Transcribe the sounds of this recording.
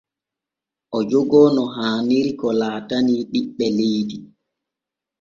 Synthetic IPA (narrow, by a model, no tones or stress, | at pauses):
ʔɔd͡ʒoɡɔːnɔɦaːniɾikɔlaːtaniɗiɓːɛlejdi